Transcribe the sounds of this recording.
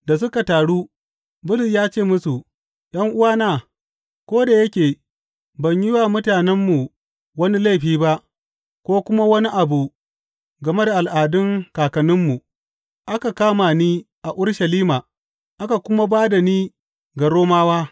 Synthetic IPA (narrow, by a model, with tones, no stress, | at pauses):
da˨s̬ʊ˦ka˨taː˨ɽu˦ | bʊ˦lɪ˨sjaː˦t͡ʃeː˦˨mʊ˦su˨ | j̰ɐ˦ŋʔʊ˦waː˦naː˨ | kʷoː˦da˨jɐ˦kʲeː˨ | bɐ˨ɲjɪ˦wa˨mʊ˦taː˨nɛ˦mːu˨ | wɐ˦ni˦la˦˨jɸiː˦ba˦ʔ | kʷoː˦kʷʊ˦ma˦wɐ˦ni˦ʔa˨bu˨ | ɡɐ˨me˦da˨ʔa˨lʔaː˨dʊ˦ŋkaː˨kɐ˨nɪ˦mːu˨ | ʔa˦ka˨kaː˦ma˨niː˦ | ʔa˨ʔʊ˦ɽʃɐ˨liː˦maː˨ | ʔa˦ka˨kʷʊ˦ma˦baː˦da˨niː˦ | ɡa˨ɽoː˦maː˦waː˦